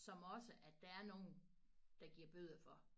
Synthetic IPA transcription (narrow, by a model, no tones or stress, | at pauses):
sɒ̽mɒ̽səʔæd̥æ̈æɐno̝ːn̩ | d̥ɑ̈ɡ̥iɐb̥øð̰ˠɐfɒ̽